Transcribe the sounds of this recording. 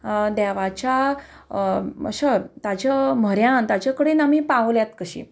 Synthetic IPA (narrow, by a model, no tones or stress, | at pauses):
d̪ɛʋat͡ɕja | ə̰ɕət̪ad͡ʑam̤əɾjãnt̪ad͡ʑakəɽenamipaʋljat̪kəɕḭː